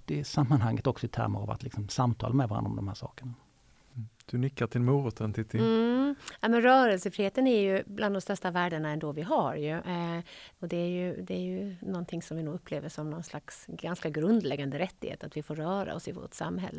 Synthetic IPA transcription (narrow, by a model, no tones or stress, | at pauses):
ɪsamːanhaŋːət̪ɔksɔɪt̪ʰæ̰ɾməɾava̰t̪lɪksɔmsamt̪ʰɑ̰ːlmɛd̪vaɾa̰nɾɔ̰md̪ɔmhæːɾʂɑ̰ːkəɳa | d̪̥ɵnʏkːat̪ʰɪlmuːɾət̪ʰənt̪ɪt̪ɪ | næmɛnɾœːɾəlsəfɾiːheːt̪ənæɾjɵblʔand̪ɔmst̪œʂʈavæːɖəɳaɛnd̪ɔvɪɦaɾjɵ | ɔd̪ɛæɾjɵd̪ɛːɾjɵnɔnt̪ʰɪŋsɔmvɪnuːɡɵpʰːleːvəʂɔmnɔnslaksɡanskaɡɾɵnd̪lɛɡːand̪əɾɛt̪ːɪhḛːt̪at̪vɪfoːɾːœːɾa̰ɔsɪvo̰ːʈsa̰mːɦɛ̰lːə